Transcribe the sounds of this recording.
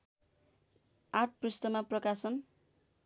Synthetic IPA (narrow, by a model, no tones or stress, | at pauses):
aʈ̚prist̪ʌmaprʌkasʌn